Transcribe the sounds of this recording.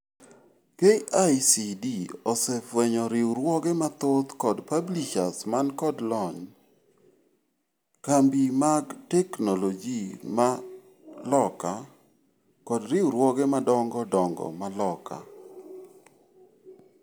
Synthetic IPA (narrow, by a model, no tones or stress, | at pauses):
keajsidiɔsɛfwɛɲɔɾɪwɾwɔɡɛmat̪ot̪kɔdpabliʃasmankɔdlɔɲ | kambimaɡtɛknolod͡ʒima | lɔka | kɔdɾɪwɾwɔɡɛmadɔŋɡɔdɔŋɡɔ̰malɔka̰